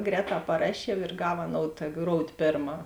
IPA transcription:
ˈɡrʲɛːˌtɑː pɐˈrɑːʃʲiɛw ɪr ˈɡɐw ɐˈnoːʊt tɐ ˈɡroːʊtʲ ˈpʲeːrˌmɑː

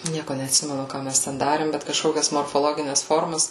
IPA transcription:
ˈnʲiɛkoː nʲɛɐtʲˈsʲɪmʲɛnʊ ˈkɑː mʲɛs tʲɛn ˈdɑːrʲeːm bʲɛt kɐʃˈkoːkʲɛs moːrfoːˈlˠoːɡʲɪnʲɛs ˈfoːrmɐs

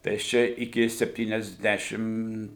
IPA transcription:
tɐɪ ɐʃ ˈt͡ʃʲɛ ɪˈkʲɪ sʲɛpʲtʲiːnʲɛzʲˈdʲæːʃʲɪm

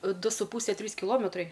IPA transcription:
ˈdʊ sʊ ˈpuːsʲɛ ˈtʲrʲiːs kʲɪˈlˠoːmʲɛtrɐɪ

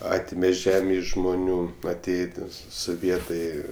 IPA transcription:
ˈɑːtʲɪmʲɛ ˈʒʲæːmʲeː ɪʃ ʒmʊˈnʲuː ɐˈtʲeːjeː ˈtʲiɛ soːˈʋʲiɛtɐɪ

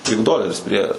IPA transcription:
tʲɪk ˈdoːlʲɛrʲɪs pʲrʲiɛ

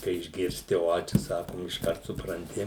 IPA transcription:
kɐɪ ɪʒʲɡʲɪrʲˈsʲtʲɪ ˈoː ˈt͡ʃʲɛ ˈsɑːkoːm ɪʃˈkɐrt sʊprɐnʲˈtʲɪ

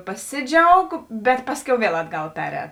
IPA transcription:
pɐˈsʲɪˌd͡ʒʲɛʊk bʲɛt ˈpɑːsʲˌkʲɛʊ ˈʋʲiɛlˠ ˈɑːdˌɡɐlˠ ˈpʲæːˌrʲɛːt

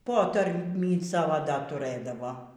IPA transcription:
ˈpoːtɐrʲmʲiː ˈsɑːʋoː dɐr tʊˈrɘdɐʋoː

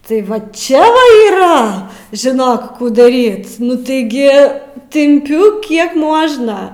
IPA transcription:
tɐɪ ˈʋɐ ˈt͡ʃʲɛ oːɪ iːˈrɐ ʒʲɪˈnoːk ˈkuː dɐˈrʲiːt nʊ tɐɪˈɡʲɪ tʲɪmʲˈpʲʊ ˈkʲiɛk ˈmuɔʒnɐ

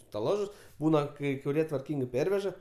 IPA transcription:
stɐˈlˠɑːʒʊs ˈbuːnɐ kɐɪ kʊˈrʲiɛ tʋɐrʲˈkʲiːŋɡɐɪ ˈpʲɛrʲʋʲɛʒɐ

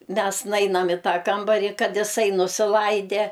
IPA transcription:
ˈmʲɛs ˈnɐɪnɐm ɪ ˈtɑː ˈkɐmbɐrʲiː ˈkɐt ɪˈsɐɪ nʊsʲɪˈlˠɐɪdʲɛ

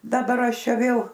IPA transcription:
dɐˈbɐr ˈɐʃ ˈt͡ʃʲɛ ˈʋʲeːlˠ

